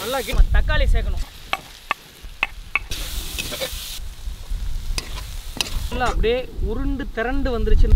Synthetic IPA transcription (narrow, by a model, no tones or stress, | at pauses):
ɐlːaːkɪmɐt̪ɐkːaːliseːɣɐɳʊ̃ | lːaɐpːɐɽɪjeːʊɾɯɳɖɯt̪ɪɾɐɳɖɯʋɐnd̪ɯɾɯt͡ʃːɯn